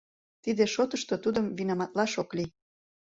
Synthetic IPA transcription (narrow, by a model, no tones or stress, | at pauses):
t̪id̪eʃot̪əʃt̪ot̪ud̪əmvinɑmɑt̪lɑʃokli